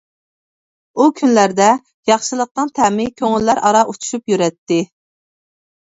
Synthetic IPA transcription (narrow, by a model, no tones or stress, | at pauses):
ukʲʰynlæɾd̪ɛ | jɑχʃɨlˠəq̚t̪ənt̪ʰɛmɪkʲʰøŋylːæɾʔɑɾɑʔut͡ʃ̪ʰu̥ʃupjyɾɛt̪ːɪ